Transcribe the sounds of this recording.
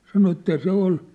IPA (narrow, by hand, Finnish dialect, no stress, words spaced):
sɑno etːæ se ol